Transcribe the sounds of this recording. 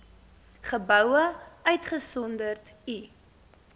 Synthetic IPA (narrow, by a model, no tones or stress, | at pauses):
χəbœwəœɥtχəsɔndərt | i